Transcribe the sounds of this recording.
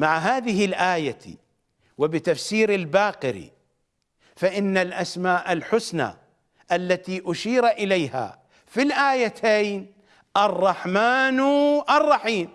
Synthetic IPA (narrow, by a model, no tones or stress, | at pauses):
maʕɦaːðɪɦɪlʔaːjat̪ḭ | wɪbɪt̪afsiːɾɪlbaːqɪɾḭ | faʔɪnːalʔasmaːʔɪlħʊsna̰ | ʔalːat̪iʔʊʃiːɾʔɪlajha̰ | filʔaːjat̪ʰejn | ʔɑrˤːɑħmaːnʔɑrˤːɑħiːm